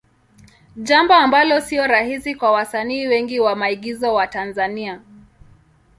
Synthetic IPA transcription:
ʄambɔambalɔsiɔɾahisikwawasaniːwɛŋɡiwamaiɠizɔwatanzania

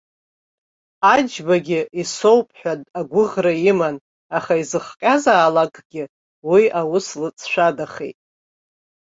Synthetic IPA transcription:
ad͡ʒbaɡʲɪiso̞wpʼħʷᶣadaɡʷʊʁraiman | aχaizɨχqʲʼazaːlakʼɡʲɪ | wiawʊslɨt͡sʰʼʃʷᶣadaχḛjtʼ

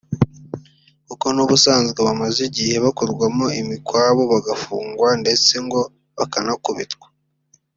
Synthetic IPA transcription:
kuko̞nuβusaːnzɡeβamaziɟihe̞βakoɾɡwamoimikwaːβo̞βaɡafuːŋɡwande̞t͡se̞ŋɡo̞ | βakanakuβitɡwḁ

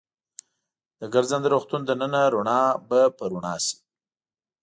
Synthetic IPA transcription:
d̪̥əɡaɾzand̪əɾoxt̪und̪ənənaɾuɳɑbapəɾʊɳɑsi̥

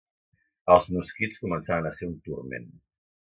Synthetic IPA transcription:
əlˠzmuskit͡skumənsaβənəseɾunt̪urmḛn

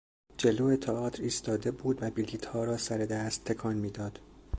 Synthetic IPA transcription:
d͡ʒeloːet̪ʰɑɒːt̪ʰɾiːst̪ɒːd̪e̞buːd̪væbiliːt̪hɒːɾɒːsæɾe̞d̪æːst̪ʰːe̞kʰɒːnmiːd̪ɒːd̪̥

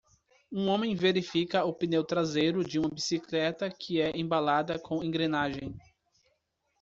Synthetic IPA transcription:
ũõmẽj̃veɾifikɐʊpinewt̪ɾazejɾʊd͡ʒɪũmɐbisiklɛt̪ɐkʰɪɛʔẽbalad̪ɐkʰõẽŋɡɾenaʒẽj̃

